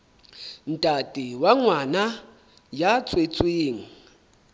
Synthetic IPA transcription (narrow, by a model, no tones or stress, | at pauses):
n̩tʼatʼiwaŋwana | jat͡sʰʼwet͡sʼwiːŋ̩